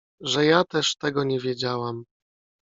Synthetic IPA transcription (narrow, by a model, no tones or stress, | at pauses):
ʐɛjat̪ɛʂt̪ɛɡɔɲɛvʲjɛd͡ʑawam